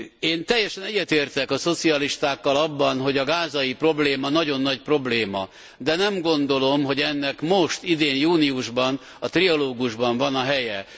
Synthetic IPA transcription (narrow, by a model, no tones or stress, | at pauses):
eːnt̪ɛjːɛʃɛnɛɟːɛt̪eːrt̪ɛkɒso̞t̪siɒliʃt̪aːkːɒlɒbːɒnɦo̞ɟɒɡaːzɒjipro̞bleːmɒnɒɟo̞nːɒcpro̞bleːmɒ̰ | d̪ɛnɛmɡo̞nd̪o̞lo̞mɦo̞ɟɛnːɛkmo̞ʃt̪id̪eːnjuːniuʒbɒn | ɒt̪riɒloːɡuʒbɒɱvɒnɒɦɛjɛ